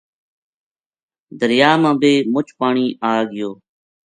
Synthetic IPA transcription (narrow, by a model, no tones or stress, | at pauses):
d̪əɾjaːmãːbeːmʊt͡ʃʰpaːɳiːʔaːɠɪjoː